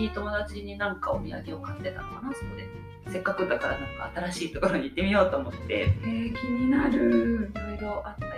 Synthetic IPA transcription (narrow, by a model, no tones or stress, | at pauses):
it̪o̞mo̞d̪at͡ɕiɲ̟inãŋkaomʲija̰ɡe̞o̞kast̪e̞t̪a̰kanasonod̪e | se̞kːakɯ̟d̪akaɾanãŋka̰ːt̪aɾaɕiːt̪o̞ko̞ɾo̞ɲ̟iːt̪ːe̞mʲijo̞ːt̪o̞ːmo̞t̪ːe̞̰ekʲiɲ̟inaɾɯ̟iɡoʔat̪ːa